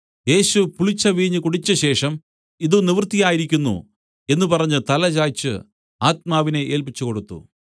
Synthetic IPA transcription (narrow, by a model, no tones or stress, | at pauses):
e̞ːɕupuɭit͡ɕːɐʋiːɲːɨkuɽit͡ɕːɨɕe̞ːʂɐm | iðuniʋrt̪ːijaːjiɾikʲːunːṵ | e̞nːupɐrɐɲːut̪ɐlɐt͡ɕaːjt͡ɕːɨ̰ | aːt̪̚maːʋine̞ʔe̞ːlpit͡ɕːukoɽut̪ːṵ